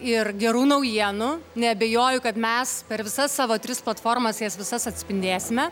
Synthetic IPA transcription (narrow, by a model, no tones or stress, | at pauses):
ɪrɡʲɛɾuːnɐʊjiɛnʊnʲɛɐbʲeːjoːjʊkɐt̪mʲɛspʲɛɾʋʲɪsɐsːɑːʋoːt̪ʲɾʲɪsplˠɐt̪foːrmɐsjɛsʋʲɪsɐsɐt̪ʲsʲpʲɪnʲd̪ʲeːsʲɪmʲɛ